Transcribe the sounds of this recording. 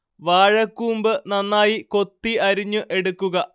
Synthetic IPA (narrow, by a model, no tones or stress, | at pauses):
ʋaːɻɐkːuːmbɨnɐnːaːjiko̞t̪ːiʔɐɾiɲːuʔe̞ɽukːuɣɐ